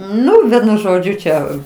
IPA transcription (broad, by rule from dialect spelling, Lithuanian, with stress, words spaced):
ˈnʊ ˈʋʲiɛnʊ ˈʒoːd͡ʒʲʊ ˈt͡ʃʲɛ